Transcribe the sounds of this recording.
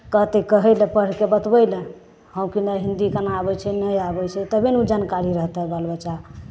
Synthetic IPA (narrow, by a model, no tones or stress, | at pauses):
kəɦt̪ekəɦɛɪlɛ̃pəɽ̤kebət̪bəjlɛ̃ | hə̃wkinəɦind̪ikənaabɛt͡ʃʰɛnəjabɛt͡ʃʰɛt̪əbenud͡ʒankaɾiɾəɦt̪ɦɛbalbət͡ʃa